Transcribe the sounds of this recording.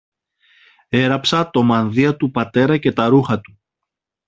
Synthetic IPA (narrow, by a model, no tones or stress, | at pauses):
e̞ɾɐpsɐt̪o̞mɐnðiɐt̪upɐt̪e̞ɾɐce̞t̪ɐɾuxɐt̪u̥